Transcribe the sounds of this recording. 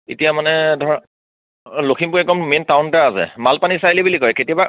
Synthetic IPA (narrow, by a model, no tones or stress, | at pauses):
etijamanɛdʱɔɹa | lokʰimpuɹɛkɔmmentawntaasɛ̰malpanisajlibulikɔjɛketijaba